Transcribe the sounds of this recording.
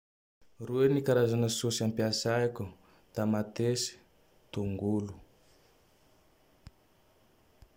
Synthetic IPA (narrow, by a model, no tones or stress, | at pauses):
ruenikaɾazanəsusiampiasajku | t̪amat̪esi̥ | t̪uŋɡulu̥